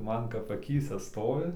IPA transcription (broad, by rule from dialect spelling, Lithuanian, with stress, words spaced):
ˈmɐn kɐp ɐˈkʲiːsʲɛ ˈstoːʋʲɪ